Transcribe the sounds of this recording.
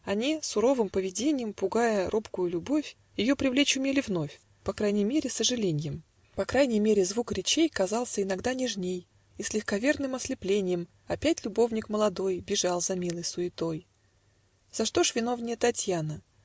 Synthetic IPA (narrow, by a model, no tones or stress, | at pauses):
ɐnʲisʊɾo̞vɨmpəvʲɪdʲenʲɪjəmpʊɡajəɾʔo̞pkʊjʊlʲʊbo̞fʲ | jɪjo̞pɾʲɪvlʲet͡ɕʊmʲelʲɪvno̞fʲ | pɐkɾajnʲɪjmʲeɾʲɪsəʐɨlʲenʲɪjɪm | pɐkɾajnʲɪjmʲeɾʲɪzvukɾʲɪt͡ɕejkɐzɑlˠsʲəɪnɐɡd̪anʲɪʐnʲej | isʲlʲɪxkɐvʲe̞rnɨmɐsʲlʲɪplʲenʲɪjəm | ɐpʲætʲlʲʊbo̞vnʲɪkməlˠɐd̪o̞jbʲɪʐɑlˠzɐmʲilˠɨjsʊɪt̪o̞j | z̥ɐʂt̪o̞ʂvʲɪno̞vnʲɪjət̪ɐtʲjanə